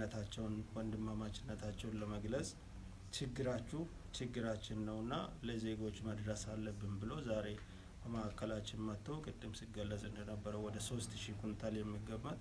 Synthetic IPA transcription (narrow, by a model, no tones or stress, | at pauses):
ət̪ʰat͡ʃːɛwnwɔnd̪ɨmːamat͡ʃɪnːət̪ʰat͡ʃːɛwnləməɡləsʼ | t͡ʃɪɡːɨɾat͡ʃːu | t͡ʃɪɡːɨɾat͡ʃːɪnːəwɨnːa̰ləze̞ɡo̞t͡ʃːməd̪ɾəsalːəbːɨnbɨlo̞zaɾe̞ | bəməʔakʰːəlat͡ʃːɪnmət̪ʰːowkʼɨd̪ːɨmsɨɡəlːəzʼɨnd̪ənəbːəɾəwɔd̪əso̞st̪ʃikunt̪ʰaljɛmːiɡːəmːət̪ʼ